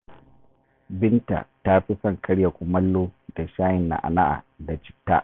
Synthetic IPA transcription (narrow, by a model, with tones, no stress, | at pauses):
bɪ˦nta̰˨ta˦ɸi˦sɐ˦˨ŋkʰɐ˦ɽja˨kʷʼʊ˨mɐ˦lːoː˦da˨ʃaː˦jɪ˨nːa̰˨ʔa̰˨na˦ʔa̰˨ | da˨t͡ʃɪ̥˦tːa̰˦ʔ